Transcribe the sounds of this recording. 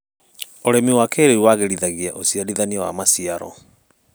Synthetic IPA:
oɾɛmiwakeɾeiwaɣeɾiðaɣiaʔosiaɾiðaniawa̰masiaɾɔ̰

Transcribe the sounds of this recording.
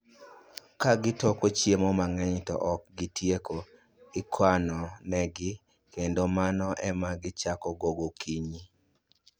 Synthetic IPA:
kaɡɪtɔkot͡ʃjemɔmaŋɛɲtɔ̰ʔɔk̚ɡɪtjekʰo | ɪkʰwanɔnɛɡɪ | kendomanɔʔɛmaɡɪt͡ʃakɔɡoɡokʰiɲi

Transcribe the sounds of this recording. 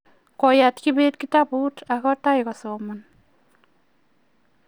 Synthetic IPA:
kɔjatkibet̚kitaputakɔtajkɔsɔman

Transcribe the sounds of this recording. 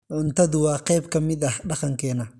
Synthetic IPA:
ʕʊnt̪ʰɐðʊwɑːqɛjbkʰɐmɪd̪ɐhɖɑqɑŋkʰɛːnɐ

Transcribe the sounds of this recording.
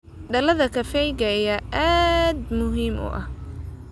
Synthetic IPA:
ɖɐlɐðɐkʰɐfɛjɡɐjɐʔaːd̪mʊɦiːmʔʊ̰ʔɐh

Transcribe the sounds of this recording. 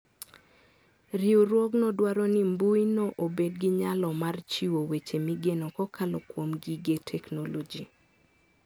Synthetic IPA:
riuɾwɔknɔdwaɾɔnimbujnɔʔobed̚ɡɪɲalɔmart͡ʃiwowet͡ʃemiɡenɔkɔkalɔkwomɡiɡetʰɛknolod͡ʒi

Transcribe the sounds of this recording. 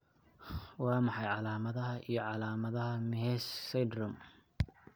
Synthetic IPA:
wɑːmɑħɑjʕɑlaːmɐðɐɦɐʔijɞʕɑlaːmɐðɐɦɐmɪɦɛssɛjd̪rʊm

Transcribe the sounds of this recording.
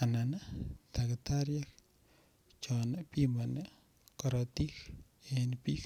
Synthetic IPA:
ananat̪akɪtaɾjak̚ | t͡ʃɔnapimbɔne | kɔɾɔtik | enpik

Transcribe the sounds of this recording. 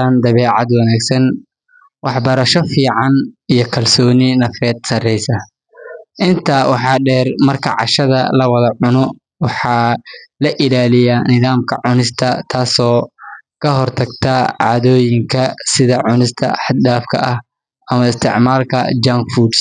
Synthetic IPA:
aːnd̪ɐβɛːʕɑd̪wɐnaːɡsɐn | wɑħbɐɾɐʃɔfiːʕɑnijɞkʰɐlsɔːnɪnɐfɾɛːd̪sɐrɛjsɐ | ʔɪnt̪ʰaːwɑħɑːɖɛːrmɐrkʰɐʕɑ̰ʃɐðɐ̰lɐwɐðɐʕʊnɔ | wɑħɑːlɐʔɪlaːlɪjaːnɪðaːmkʰɐʕʊnɪst̪ʰɐt̪ʰaːsɔːkʰɐɦɔrt̪ʰɐɡt̪ʰɐʕɑ̰ːðɔːjɪŋkʰɐsɪðɐʕʊnɪst̪ʰɐ̰ħɑd̪daːfkʰɐ̰ʔɐh | ʔɐmɐɪst̪ʰɪ̰ʕmaːlkʰɐ̰d͡ʒamfuːɖs

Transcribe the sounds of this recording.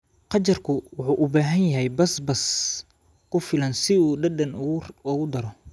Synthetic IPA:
qɑt͡ʃɐrkʰʊwʊħuːʔʊbaːɦɐnjɐɦɛjbɐsbɐs | kʰʊfɪlɐnsɪuːɖɐdɐnʊɣʊd̪ɐɾɔ

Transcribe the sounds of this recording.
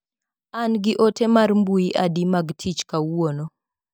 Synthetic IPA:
anɡɪʔotemarmbuiʔadimaɡtʰit͡ʃkawwono

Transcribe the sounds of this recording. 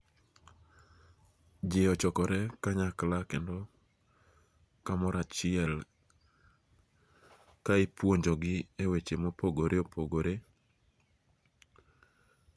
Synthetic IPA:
d͡ʒeɔt͡ʃɔkɔɾɛkaɲaklakendɔ | kamɔɾat͡ʃɪɛl | kaɪpwoɲd͡ʒoɡɪewet͡ʃemopoɡoɾeopʰoɡoɾe

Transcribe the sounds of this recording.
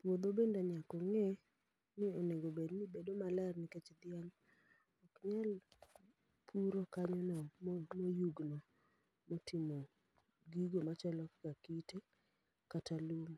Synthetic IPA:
pwod̪obendaɲakɔŋɛ | nɪoneɡobednibedomalɛrnɪket͡ʃd̪ɪaŋ | ɔkɲal | pʰuɾokaɲɔnɛmmojuɡnɔ | motʰimo | ɡiɡomat͡ʃɛlɔkkakite | katalom

